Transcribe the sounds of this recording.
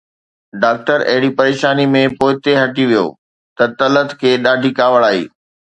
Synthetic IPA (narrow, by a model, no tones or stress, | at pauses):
ɖaːk̚ʈəɾɐ̰ɦɪɽipɐɾeːʃaːnimẽpoːɪt̪eɦɐʈiʋijo̰ː | t̪ɐt̪ɐlət̪kʰeːɗaːɖʱikaːʋəɭaːɦḭː